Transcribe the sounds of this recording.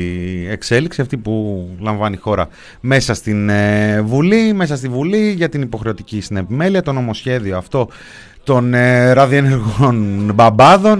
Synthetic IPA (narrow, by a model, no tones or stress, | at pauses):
e̞kse̞liksiɐft̪ipulɐɱvɐnixo̞ɾɐ | me̞sɐst̪invulime̞s̬ɐst̪ivuliʝɐt̪inipo̞xɾe̞o̞t̪icisine̞pime̞liɐt̪o̞no̞mo̞sçe̞ðio̞ɐft̪o̞ | t̪o̞nɾɐðie̞ne̞ɾɣonbɐbɐðo̞n